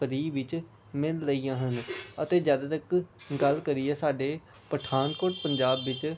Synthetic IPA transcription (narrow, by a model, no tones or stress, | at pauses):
əɾiːʋɪt͡ʃ | mɪlːəiːãːɦənət̪eːd͡ʒjaːd̪aːt̪əkɡəlkəɾiɛːsaːɖeː | pəʈʰaːnkoːʈpəɲd͡ʒaːbʋɪt͡ʃ